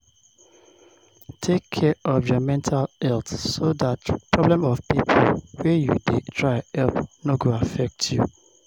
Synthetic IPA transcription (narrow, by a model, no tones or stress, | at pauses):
tʰekʰːɛʔɔvjɔmɛ̃ntʰalɛltsoðatpʰɹɔblɛ̃mɔvpipʰo̰lwɛjṵdetʰɹaɪɛlpnoɡoafɛk̚tʰjṵ